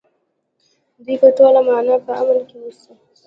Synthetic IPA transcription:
d̪ipəʈolamɑnɑpəamalkewusi

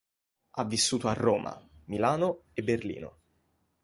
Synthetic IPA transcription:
avːisːuːt̪oarːoːmʔa̰milaːnoebːerlḭːno̰

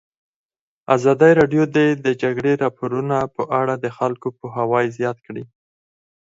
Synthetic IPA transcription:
azɑd̪əjɾɑɖjod̪ed̪əd͡ʒaɡɽeɾɑpoɾunapəʔaɽad̪əxalkopoɦawɑjzjɑt̪kɽi

